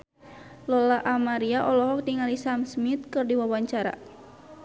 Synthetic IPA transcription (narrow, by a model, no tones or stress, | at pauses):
lɔlaʔamaɾiaʔɔlɔɦɔk̚diŋalisamsmit̪̚kɨrdiwawaɲt͡ʃaɾa̰